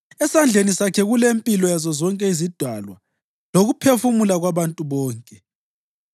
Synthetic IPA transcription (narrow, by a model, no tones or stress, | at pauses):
ɛsand͡ɮʱenisakʰɛɣulempʼilɔjazɔzɔŋkʼɛizid̥ʱwalwa̰ | loɣupʰefumulaɣwaβantʼuβɔːŋkʼɛ